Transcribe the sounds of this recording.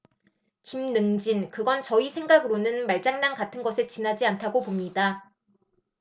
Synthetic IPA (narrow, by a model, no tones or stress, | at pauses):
kimnɯŋd͡ʑinkɯɡʌnt͡ɕʌisʰe̞ŋɡaɡɯɾonɯnmaɭt͡ɕ͈aŋnaŋkatʰɯnɡʌsʰet͡ɕinɦad͡ʑiantʰaɡopomɲida